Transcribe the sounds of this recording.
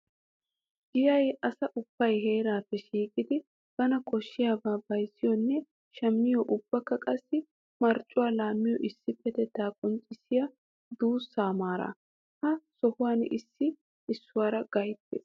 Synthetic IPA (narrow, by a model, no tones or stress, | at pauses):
ɡɪjɐjɐsɐʔʊb̥ːɐjɦe̞ːɾaːpːɛʃiːkʼɪd̪ɪ | b̥ɐnɐkʼɔʃːɪjaːbaːbɐjsːɪjɔnːɛ | ʃɐmːɪjɔʔʊbːɐkːɐkʼɐsːɪ | mɐɾt͡ʃʼːʊwaːlaːmːɪjɔʔɪsːɪpːɛt̪ɛt̪aːkʼɔnt͡ʃʼːɪsɪja | d̪uːsːaːmaːɾa̰ | hɐsɔhʊwaːnɪsːɪ | ɪsːʊwaːɾɐɡ̥ɐjt̪ːḛs